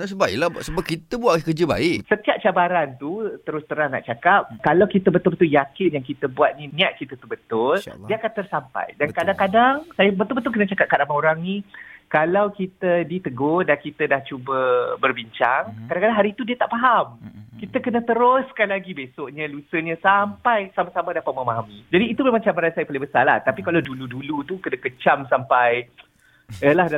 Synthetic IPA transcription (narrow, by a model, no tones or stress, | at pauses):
as̬əbaɪ̰ʔlabʔsəbap̚kit̪əbuakəd͡ʒəba̰ɪʔsət̪iap̚t͡ʃabaɾant̪ut̪əɾʊst̪əɾana̰ʔt͡ʃakap̚kalawkit̪əbət̪ʊlbət̪uljakɪnjaŋkit̪əbuat̪̚nĩnĩaʔ̪̚kit̪ət̪ubət̪ʊldiəakant̪ərsampa̰jdankadaŋkadaŋsajəbət̪ʊlbət̪ʊlkənət͡ʃakap̚kadamãoɾaŋnikalawkit̪ədit̪əɡodankit̪ədaht͡ʃubəbərbiɲt͡ʃaŋkadaŋkadaŋɦaɾiːt̪udiət̪aʔfaɦamkit̪əkənə̃t̪əɾʊskanlaɡibesoʔɲə̃lusəɲə̃sampajsamasamadapat̪̚mamaɦamid͡ʒadiːt̪ubəlamat͡ʃabaɾansajapalɪŋbəsa̰rla̰ht̪apikalawduludulut̪ukənakət͡ʃamsampaj | əlah